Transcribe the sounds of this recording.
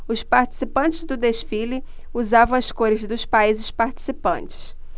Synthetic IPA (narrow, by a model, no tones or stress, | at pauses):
ʊspaɾt͡ʃi̥sipɐ̃nt͡ʃɪzd̪ʊd̪eʃfilɪ | uzavɐ̃w̃ɐskoɾɪzd̪ʊspaizɪspaɾt͡ʃi̥sipɐ̃nt͡ʃɪ̥s